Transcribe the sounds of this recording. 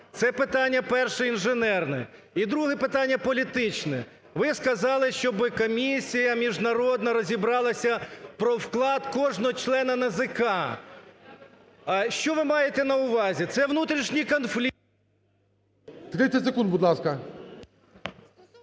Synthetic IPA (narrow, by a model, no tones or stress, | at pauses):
t̪sɛpɪt̪ɑnʲːɐpɛrʃɛinʒenɛrnɛ | id̪ɾuɦɛpɪt̪ɑnʲːɐpɔlʲit̪ɪt͡ʃnɛ | ʋɪskɐzɑlˠɪʃt͡ʃɔbɪkɔmʲisʲijɐmʲiʒnɐɾɔd̪nɐɾɔzʲibɾɑlˠɐsʲɐpɾɔwklˠɑd̪kɔʒnɔɦɔt͡ʃlˠɛnɐnɐzɪkɑ | ʃt͡ʃɔʋɪmɑjet̪ɛnɐʊʋɑzʲit̪sɛʋnut̪ɾʲiʃnʲijkɔnflʲi | t̪ɪk̪ɪt͡sʲɛtʲsekund̪bʊd̪lˠɑskɐ